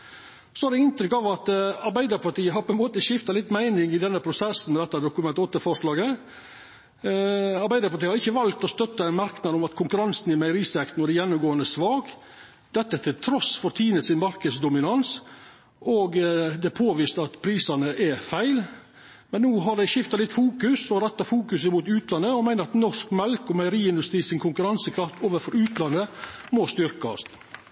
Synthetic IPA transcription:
sɔɑdɛɪnt̪ɾʏkːɑʋɑt̪ɑɾbæɪd̪əɾpɑʈiːəɦɑɾpʰɔɛnmoːt̪əʃɪft̪ɑlɪt̪ːmæɪnɪŋɪd̪ɛnːəpʰɾʊsɛsn̩mɛd̪ɛt̪ːɑd̪ʊkʉmɛnt̪ɔt̪ːəfɔʂlɑːɡə | ɑɾbæɪd̪əɾpɑɾʈiːhɑɾɪçːəʋɑlt̪ɔst̪œt̪ːəɛɪnmɑɾknɑd̪ɔmɑt̪kʰʊŋkʉɾɑnsnɪmæɪɾisɛkt̪nɔd̪ɛjɛnːʊmɡoːənd̪əsʋɑːɡ | d̪̥ɛt̪ːət̪ʰɪlt̪ʰɾɔsfɔɾt̪ʰiːnəsɪnmɑɾkəd̪sd̪ʊmɪnɑns | ʔɔɡd̪ɛpʰoːʋɪːst̪əɑt̪pʰɾiːsɑnəʔɛfæɪl | mɛnːuːɦɑɖ̪æɪʃɪft̪ɑlɪt̪ːfuːkʉsɔɾɛt̪ːɑfuːkʉsɪmuːt̪ʉːt̪lɑnːəɔmæɪnəɾɑt̪nɔʂkmɛlkɔmæɪəɾiːɪnd̪ʉst̪ɾiːsɪnkʰʊŋkʉɾɑnsəkʰɾɑft̪oːʋəɾfɔɾʉːt̪lɑnːəmɔst̪ʏɾkɑst̪

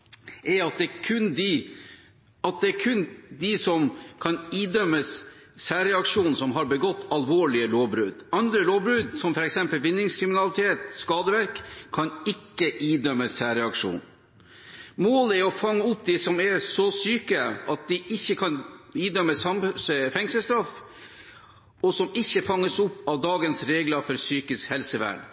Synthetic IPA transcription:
ʔɛɾɑt̪̚d̪ɛːkʰʉnd̪ɪ | ɑt̪̚d̪ɛæɾkʰʉnd̪ɪsɔmkʰɑniːd̪œmːəsː | æːɾɛɑkʂuːnsɔmɦɑɾbəɡɔt̪ːɑlʋoːɭɪəloːʋbɾʉːd̪ɑnd̪ɾəloːʋbɾʉːd̪sɔmfɔɾɛksɛmpəlʋɪnːɪŋskʰɾɪmɪnɑlɪt̪ʰeːt̪skɑːd̪əʋæɾkʰːɑnɪkːəʔiːd̪œmːəsæːɾɛɑkʂṵːn | moːləɛɾɔfɑŋːəʊp̚d̪ɪsɔmɛɾsɔsyːkəʔɑt̪̚d̪ɪʔɪçːəkʰɑniːd̪œmːəsɑmsfɛŋsəst̪ɾɔf | ɔsɔmɪçːəfɑŋːəsʊpɑʋd̪ɑːɡənsɾeːɡlɑfɔɾsyːkəshɛlsəʋæ̰ːɳ

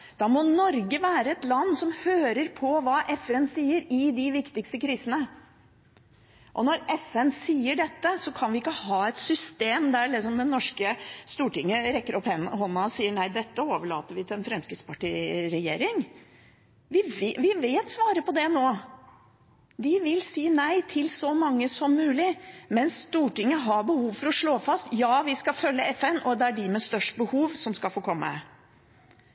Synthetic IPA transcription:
d̪̥ɑmɔnɔɾɡəʋæːɾəɛt̪lɑnːsɔmhøːɾəɾpʰɔʋɑːʔɛfɛnsiːəɾɪd̪ɪʋɪkt̪ɪkst̪əkʰɾiːsənə | ʔɔnɔɾɛfɛnsiːəɖɛt̪ːəsɔkʰɑnʋɪɪkːəhɑːɛt̪sʏst̪eːmd̪æɭɪksɔmd̪ɛnːɔʂkəst̪uːʈɪŋːəɾɛkːəɾɔphɛnɦɔnːɑɔsiːəɳæɪd̪ɛt̪ːəoːʋəɭɑ̰ːt̪əɾʋɪt̪ʰɪlɛnfɾɛmskɾɪspʰɑʈiːɾɛjeːɾɪŋ | ʋɪʋɪʋɪʋeːt̪sʋɑːɾəpɔd̪ɛnoː | d̪ɪʋɪlsiːnæɪt̪ʰɪlsɔmɑŋːəsɔmːʉːlɪmɛnsːt̪uːʈɪŋːəɦɑbəhuːʋfɔɾɔʂɭoːfɑst̪jɑːʋɪskɑfœlːəɛfɛnɔd̪ɛæɖɪmɛst̪œʂʈbəhuːʋsɔmskɑlfoːkʰɔmːə

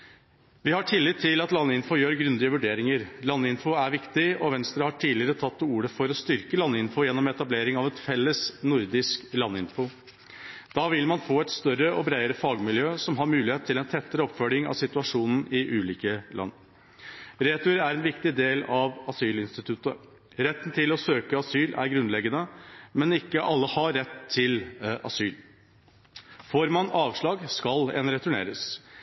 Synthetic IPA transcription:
ʋɪhɑʈʰɪlːɪt̪ʰːɪlɑt̪lɑnːəɪnfʊjøːɾɡɾʉnd̪ɪəʋʉɖeːɾɪŋəɾlɑnːɪnfʊæɾʋɪkt̪ɪɔʋɛnst̪ɾəhɑʈʰiːlɪɾət̪ʰɑt̪ːuːɾəfɔɾɔst̪ʏɾkəlɑnːəɪnfʊjɛnːɔmɛt̪ɑbleːɾɪŋɑʋɛt̪fɛlːəsnʊɾd̪ɪsklɑnːɪnfʊ | d̪̥ɑːʋɪlmɑnfoːɛt̪st̪œɾəʔɔbɾæɪəɾəfɑːɡmɪljøːsɔmɦɑɾmʉːlɪeːt̪ʰːɪlɛnt̪ʰɛt̪ːəɾəɔpfœlɪŋɑ̰ʋsɪt̪ʉɑʂuːnn̩ɪʔʉːliːkəlɑ̰nː | ɾeːt̪ʊɾæɾɛnʋɪkt̪ɪd̪eːlɑʋɑsyːlɪnst̪ɪt̪ʰʉt̪ə | ɾɛt̪ːnt̪ʰɪlɔsøːkəɑsyːlæ̰ɾɡɾʉnlɛɡːənəmɛnɪkːəʔɑlːəhɑɾːɛt̪ʰːɪlɑ̰syːl | foːɾmɑnɑːʋʂɭɑːɡskɑlɛ̰nɾɛt̪ʉɳḛːɾəs

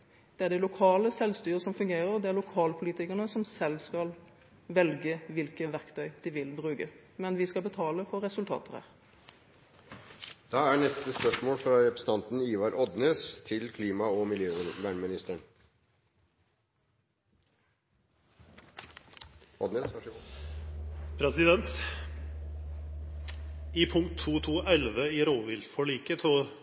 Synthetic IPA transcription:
d̪̥ɛæɖ̪ɛɪlʊkʰɑːləsɛlst̪yːʁəsɔmfʉŋɡeːʁəʁd̪ɛæʁlʊkʰɑːlpʰʊliːt̪ɪkəʁnəsɔmsɛlːskɑl | ʋɛlɡəʋɪlkəʋæʁkt̪ʰœʏd̪̥ɪʋɪlbʁʉːɡə | mɛnʋɪskɑlbət̪ʰɑːləfɔʁːɛsʉlt̪ʰɑ̰ːt̪əæ̰ːʁ | d̪̥ɑːæɳɛst̪əspœʂmoːlfɾɑɾɛpɾɛsn̩ʰɑnt̪n̩iːʋɑɾʔɔd̪neːst̪ʰɪlkʰliːmɑɔmɪljøːʋæːɳmɪnɪst̪əɳ | ʔɔd̪neːs | pʰɾɛsɪd̪ɛnt̪ | ɪpʰʊŋkt̪ʰːuːt̪ʰuːʔɛlʋəɪɾoːʋɪːlfɔɭiːkət̪ʰoː

